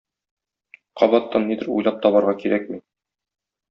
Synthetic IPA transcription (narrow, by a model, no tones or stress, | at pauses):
qʰɒbɑt̪ːɑnːid̪ɘ̆ɾṵjlˠɑp̚t̪ɒbɑɾʁɑkiɾæk̚mi